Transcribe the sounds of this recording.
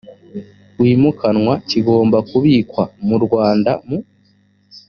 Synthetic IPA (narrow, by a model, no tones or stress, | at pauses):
wiːmukʰanŋwaciɡo̞ːmbakuβikwamuɾɡwaːnda̰mu